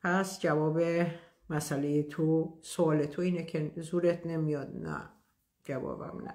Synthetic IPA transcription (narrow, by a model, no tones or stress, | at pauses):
pʰæsd͡ʒævɒːbe | mæsælejet̪ʰosoɒːlet̪ʰoiːnekʰe̞zuːɾet̪ʰne̞mijɒd̪næ̰ | d͡ʒævɒ̰ːbæ̰mnæ̰